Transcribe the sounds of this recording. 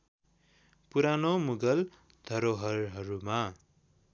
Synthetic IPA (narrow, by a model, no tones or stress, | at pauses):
puɾanomuɡʌl | d̪̥ʱʌɾoɦʌrɦʌɾuma